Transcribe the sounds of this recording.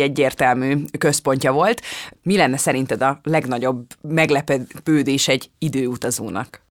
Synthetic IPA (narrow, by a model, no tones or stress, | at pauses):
ɛɟːeːrt̪ɛlmyːkøspo̞ɲcɒvo̞lt̪milɛnːɛsɛɾint̪ɛd̪ɒlɛɡnɒɟo̞bmɛɡlɛpɛpøːd̪eːʃɛɟːid̪øːut̪ɒzo̰ːnɒ̰k